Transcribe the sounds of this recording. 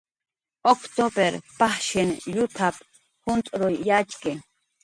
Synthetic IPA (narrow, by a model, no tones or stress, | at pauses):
okt̪obeɾpahʃɪnjʊt̪ʰap | hʊnt̪ʼɾojjat͡ʃkɪ